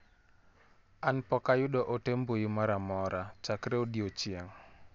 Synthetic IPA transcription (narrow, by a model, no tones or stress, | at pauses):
ʔanpɔkajuɗɔʔotembujumaɾamɔɾat͡ʃakɾeudiot͡ʃiaŋ